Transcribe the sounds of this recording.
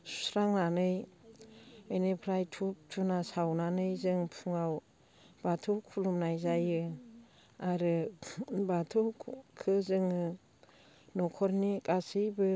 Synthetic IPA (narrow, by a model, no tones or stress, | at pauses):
su̥sɾaŋnanɯj | enepʰɾajtʰup̚tʰunasawnanɯjzɯŋpʰuŋaw | batʰukʰulumnajzajɯ | aɾɯ | batʰukʰɯzɯŋɯ | nɔkʰɔɾnikʼasijbɯ